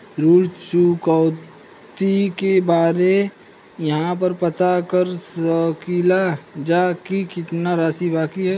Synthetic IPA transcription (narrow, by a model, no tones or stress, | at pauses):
ɾuːɽt͡ʃukaʊ | t̪ikebaːɾe | jɐɦãpɐɾpɐt̪akəɾsəkiːlad͡ʒaːkikɪt̪naɾaːsibaːkiɦɛː